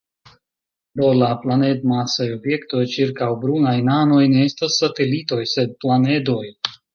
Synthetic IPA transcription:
pɾo̞laplane̞dmasajo̞bje̞kto̞jt͡ʃiɾkawbɾunajnano̞jne̞estasːate̞lito̞jse̞d̚plane̞do̞j

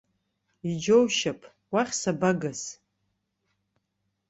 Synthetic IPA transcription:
id͡ʒowʃapʰʼ | waχʲsabaɡɨs

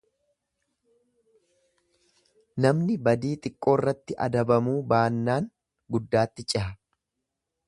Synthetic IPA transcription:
nɐmnɪbɐd̪iːt̪ʼɪkʼːo̞ːrːɐt̪ːɪʔɐ̰d̪ɐbɐmuːbaːnːaːŋ | ɡʊd̪ːaːt̪ːɪt͡ʃʼɪɦɐ

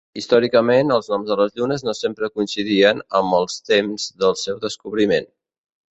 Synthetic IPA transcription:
ist̪ɔɾikəmenəlˠznɔmzðələzʎunəznosempɾəkuinsiðiənəmbəlˠst̪emzðəlˠsɛwðəskuβɾimen

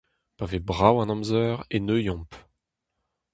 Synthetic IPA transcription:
pavebʁawɑ̃nɔ̃mzœːʁenøjɔ̃p

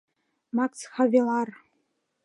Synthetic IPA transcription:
maksχavʲilar

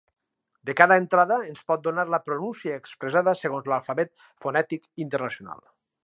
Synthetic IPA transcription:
d̪ekaðəent̪ɾaðəenspɔt̪̚d̪onaɾləpɾonunsiaekspɾezaðəseɣ̞onzlalˠfaβɛt̪̚ | fonɛt̪ikint̪əɾnasiona̰lˠ

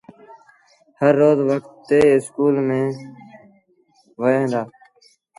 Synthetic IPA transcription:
həɾːoːzʋəkʰt̪ːeːɪskuːlmẽː | ʋoẽːd̪aː

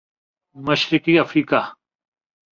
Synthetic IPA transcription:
mɐʃɾɪkiɐfɾiːka

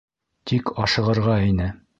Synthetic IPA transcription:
t̪ʰikʰɑʃɤ̆ʁɤ̆ɾʁɑinɘ

